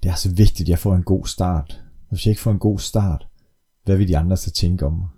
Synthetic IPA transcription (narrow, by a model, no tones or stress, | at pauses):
d̥e̝æɐsɒ̽ʋe̝ɡ̥̚d̥id̥jɑ̈ɪfɒ̰ːe̝nɡ̥o̝̰ːsd̥ɑ̰̈ːd̥ɒʋe̝sjɑ̈e̝ɡ̥fɒ̰ːe̝nɡ̥o̝̰ːsd̥ɑ̰̈ːd̥ | ʋæʋe̝d̥iɑ̈nd̥ʁɐsæt͡sʰeŋɡ̥əɒ̽mmɑ̈ɪ